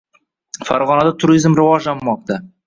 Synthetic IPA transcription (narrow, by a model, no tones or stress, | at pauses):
fa̰ɾʁɒnad̪at̪ʰʊɾizmɾɪvɒʒlanːɒq̚t̪a